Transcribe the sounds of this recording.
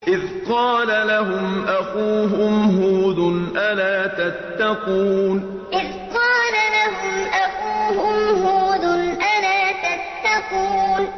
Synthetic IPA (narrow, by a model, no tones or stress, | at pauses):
ʔɪðqɑːlalaɦʊmʔaxuːɦʊmɦuːd̪ʊnʔalaːt̪at̪ːɑquːn | ʔɪð | qɑːlalaɦʊmʔaxuːhʊmɦuːd̪ʊnʔalaːt̪at̪ːɑquːn